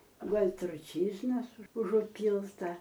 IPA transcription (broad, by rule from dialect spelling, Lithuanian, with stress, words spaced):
ˈɡuɔlʲ trʊˈt͡ʃʲiːʒnɐs ʊʒʊˈpʲiːlˠtɐ